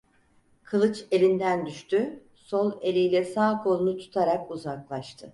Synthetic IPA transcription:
kʰɯlˠɯt͡ʃe̞lʲind̪ænd̪yʃt̪ʰy | solˠe̞lʲijlʲɛsaːkʰo̞lˠunut̪ʰu̥t̪ʰaɾakuzaklˠaʃt̪ʰɯ

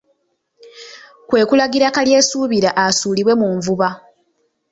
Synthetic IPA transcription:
kwe̞ːkulaɡiɾakalje̞ːsuːβiɾaʔasuːliβwe̞muːɱvuβa

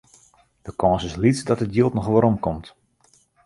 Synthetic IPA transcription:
d̥əkʰɔ̃ːsɪslitsdɔtətjiəlˠtnɔxʋoːɾɔmkɔmt

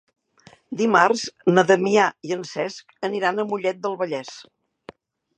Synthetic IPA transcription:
d̪imarznəðəmiaiənsɛskəniɾanəmuʎɛt̪̚d̪əlˠβəʎɛs

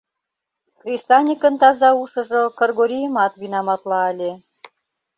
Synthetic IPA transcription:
krʲisɑnʲikə̆nt̪ɑzɑuʃɤ̆ʒɤ̆kɤ̆rɣoɾʲijəmɑt̪βinɑmɑt̪lɑːlʲe

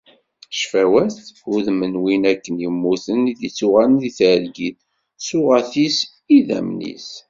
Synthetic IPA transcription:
ʃfæwæθʊðmənwinækːənjəmːuθəniðit͡sːʊʁælnðiθʕəlɡið | sʊʁæθis | iðæ̰mnḭs

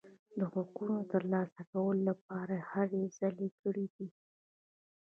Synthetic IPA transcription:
d̪əɣwaɡunot̪əɾlɑsakawəlolap̚ɑɾahaɾez̥alekəɽid̪i

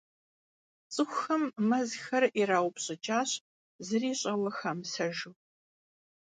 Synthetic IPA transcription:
t͡sʼɨxʷʊxɐmːɐzxɐriɾaːwpɕʼɐt͡ʃʼaːɕ | zɨriːɕʼɐwɐxɐmsɐʒɨw

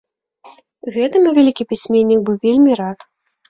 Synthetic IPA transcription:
ɣɛt̪ɨmʲɨvʲalʲikʲipʲisʲmʲɛnʲːik̚bɨwvʲelʲmʲiɾat̪

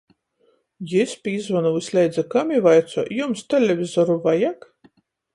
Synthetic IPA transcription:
jispʲiːzvɔnuwɨsʲlʲɛjd̪zʲɛkamʲivajt̪sɔjumst̪ʲɛlʲɛvʲizɔɾuvajak

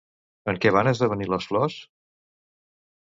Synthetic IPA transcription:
əŋkɛβ̞anəzðəβəniləsflɔs

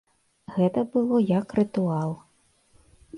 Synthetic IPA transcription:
ɣɛt̪ɐbɨlˠɔjɐkrɨt̪ualˠ

